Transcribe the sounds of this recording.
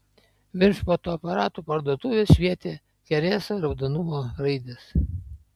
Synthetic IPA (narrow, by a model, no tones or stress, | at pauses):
ʋʲɪnʃpot̪oːɐpɐɾɑːt̪uːpɐɾd̪uɔt̪uːʋʲeːsʃʲʋʲiɛt̪ʲeː | kʲɛɾʲeːsoɾɐd̪ɐnʊmoːɾɐɪd̪ʲes